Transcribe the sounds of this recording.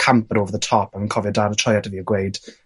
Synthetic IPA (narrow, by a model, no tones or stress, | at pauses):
kʰãmpəɾoːvəðətʰɔpanə̃nkʰɔvjədaɾətʰɔjatʰəviːəɡwejd̥